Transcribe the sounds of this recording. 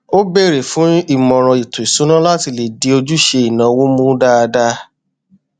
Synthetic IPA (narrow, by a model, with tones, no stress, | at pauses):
o˦be˦˨ɾe˨fũ˨˦i˦˨mɔ̃˨ɾ̃ɔ̃˧i˨tũ˨i˨sũ˨˦nã˦la˦ti˧le˨di˨˦o˧d͡ʒu˦ʃe˧i˨nã˨wo˦mũ˦da˦a˧da˦